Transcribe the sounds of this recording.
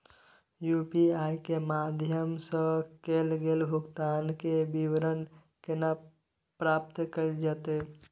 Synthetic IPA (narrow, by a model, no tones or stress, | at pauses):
jupiaːjkemaːd̪ʱjəmsə̃kelɡeːlbʱʊɡt̪aːnkebiwɾən | kena | pɾaːpt̪kəid͡ʒət̪e